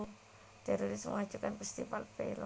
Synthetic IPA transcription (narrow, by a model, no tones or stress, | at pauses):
t̪ɛɾoɾɪsmə̰ŋad̥ʒ̥ukanpəst̪ipalpel̰